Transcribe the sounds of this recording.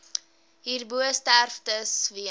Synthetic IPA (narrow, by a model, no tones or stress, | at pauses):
ɦiːrbuəstærftəsviə